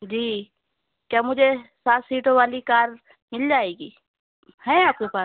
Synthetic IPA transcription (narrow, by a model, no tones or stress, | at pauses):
d͡ʒiː | kjaːmʊd͡ʒʱesaːt̪siːʈõʋaːlikaːɾ | mɪld͡ʒaːeːɡiː | hɛ̃aːp̚kepaː